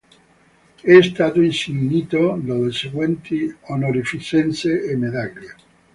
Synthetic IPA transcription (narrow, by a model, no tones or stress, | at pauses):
ɛst̪aːt̪oinsiɲniːt̪od̪oðelseɡwɛnt̪ʰionoɾifit͡ʃɛnseemed̪aʎja